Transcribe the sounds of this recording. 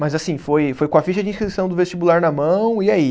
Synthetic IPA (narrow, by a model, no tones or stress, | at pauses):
mɐzasĩfojfojkõɐfiʃɐd͡ʒĩskɾisɐ̃w̃d̪ʊvest͡ʃibulaɾnɐmɐ̃w̃iai